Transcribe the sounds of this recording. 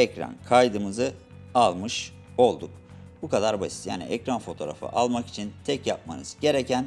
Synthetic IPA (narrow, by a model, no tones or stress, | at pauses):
ɛcɾa̰nkʰajd̪ɯmɯzɯ | alˠmɯʃ | o̞lˠd̪uk̚ | bukʰad̪aɾbasi̥t̪ja̰ːnḭʔɛcɾanfo̞t̪ʰo̞ːɾa̰fɯ̰ʔalˠmaki̥t͡ʃʰint̪ʰɛcjap̚ma̰nɯz̥ɟe̞ɾecʰæn